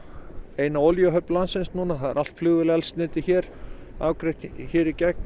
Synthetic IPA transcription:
eːjnaoljœɦœplansɪnsnuːnaθaðɛ̰ɾʔal̥t̪flʏːɣðɪlɛalst̪nɪːt̪ɪçɛːɾaːwkɾejht̪çɛːɾicɛk̚n

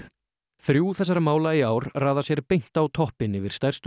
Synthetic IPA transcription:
θɾjuːθɛsaɾamaːwlaiaːwɾraːðasjɛɾpejn̥t̪awt̪ʰɔhpɪnɪvɪɾ̥st̪ajrst̪

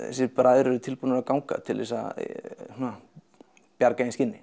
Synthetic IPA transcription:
ɛ̰sɛpɾaðʏɾɛɾʏt̪ʰɪlpunaɾakawŋka̰t̪ʰɪlvɛ̰sa̰suna | pjaɾkainscɪnːɪ

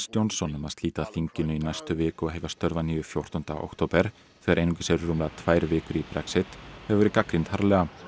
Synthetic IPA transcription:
st̪jownsɔnːɛmast̪liːt̪aðθiɲcɪnʏinajst̪ʏvɪːkɔhejvast̪œɾvaniːjʏfjowr̥t̪ɔnt̪a̰ʔo̰kt̪ʰoːwpɛɾ̥ | θɛːɣaɾejnucɪ̥sɛɾːumlaðt̪ʰvaːjɾvɪːkʏɾipɾɛksɪt̪hɛvvɛɾɪkakɾint̪haɾlɛɣa

